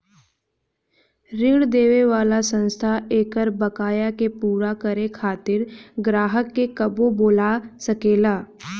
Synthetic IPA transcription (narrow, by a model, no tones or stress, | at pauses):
ɾɪɽd̪eːʋeʋaːlasə̃nst̪ʰaʔeːkəɾbəkaːjakepuːɾakəɾekʰaːt̪ɪɾɡɾaːɦəkːekɐboboːlasəkeːlaː